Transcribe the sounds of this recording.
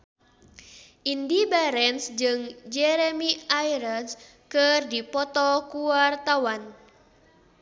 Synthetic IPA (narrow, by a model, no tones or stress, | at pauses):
ʔindibaɾɛnsd͡ʒɨŋd͡ʒɛɾemiajɾans | kɨrdipɔt̪ɔkuwart̪awan